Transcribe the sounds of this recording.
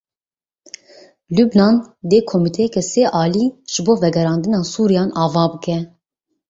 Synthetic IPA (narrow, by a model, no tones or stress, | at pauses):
lubnɑːnd̪eːkʰomit̪ʰɛjɛkɛseːʔɑːliːʒ̥ɨboːvɛɡɛɾɑːnd̪ɨnɑːsuːɾijɑːnʔɑːvɑːbɨkɛ